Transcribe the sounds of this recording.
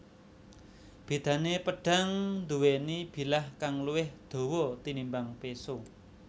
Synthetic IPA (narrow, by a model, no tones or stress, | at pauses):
b̥i̤d̪̥ä̤nepəɖ̥a̤ŋnd̪uwenib̥i̤lahkaŋluwɪhd̪̥o̤wɔt̪inimbaŋpeso